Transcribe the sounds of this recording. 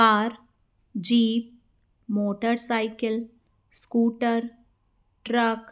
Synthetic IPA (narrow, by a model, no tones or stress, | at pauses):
aːɾ | d͡ʒiːp̚ | moːʈəɾsaːɪkɪl | skuːʈəɾ | ʈɾək